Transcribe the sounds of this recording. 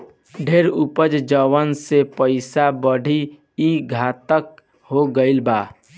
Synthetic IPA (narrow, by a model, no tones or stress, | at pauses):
ɖʱeːɾupəd͡ʒd͡ʒəwənsepəɪsabəɽ̤ʱi | iɡʱaːt̪ək | ɦoɡəɪlbaː